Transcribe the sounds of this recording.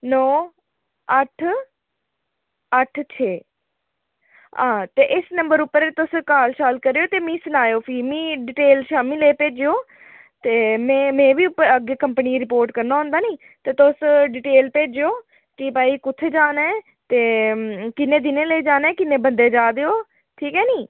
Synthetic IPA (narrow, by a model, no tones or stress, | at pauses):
nɔː | əʈʰ | əʈʰt͡ʃʰeː | ãːt̪eːʔɪsnəmbəɾʊpːəɾet̪ʊskaːlʃaːlkəɾeːoːt̪eːmĩːsʊnaːjoːpʰiːmĩːɖɪʈeːlʃaːmĩːleːpeːd͡ʒeoː | t̪eːmẽːmẽːʋiːpəɡekəmpniːɾɪpoːɾʈkəɾnaːɦʊ̃nd̪aːniː | t̪eːt̪ʊsɖɪʈeːlpeːd͡ʒeoː | kiːpaːiːkʊt̪ʰːed͡ʒaːnɛː | t̪eːkɪnːẽːd̪ɪnẽːleːd͡ʒaːnɛ̃ːkɪnːẽːbənd̪eːd͡ʒaːd̪eːoː | ʈʰiːkɦɛːniː